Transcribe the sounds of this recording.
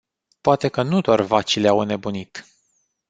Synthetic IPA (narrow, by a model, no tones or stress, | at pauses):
poat̪e̞kənud̪oarvat͡ʃileawne̞bunit̪